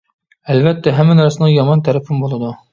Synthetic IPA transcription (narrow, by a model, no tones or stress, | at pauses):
ælβæt̪ːæɦæmːænæɾsnɤjɒmɑnt̪æɾæfɘnbulˠɑ̆d̪ɤ